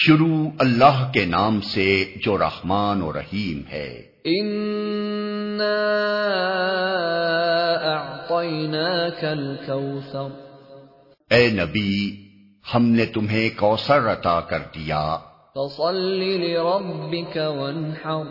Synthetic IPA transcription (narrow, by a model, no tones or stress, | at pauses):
ʃʊɾuːɐlːaɦkenaːmsed͡ʒoːɾɐ̰hmaːnoɾɐ̰hiːmhɛ̰ː | ʔɪn | aː | ʔɑʕt̪ˤɑjnaːkalkawθɑɾ | ɛːnɐbi | hɐmnet̪ʊmɦẽkɔːsəɾɐt̪aːkɐɾd̪ija̰ː | fɑsˤɑlːilɪɾˤɑbːɪkawanħɑɾ